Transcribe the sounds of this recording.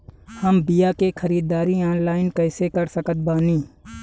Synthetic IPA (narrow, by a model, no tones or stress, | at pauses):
həmbɪjaːkexʰəɾiːd̪aːɾiaːnlaːɪnkəːsekəɾsəkət̪̚baːnĩː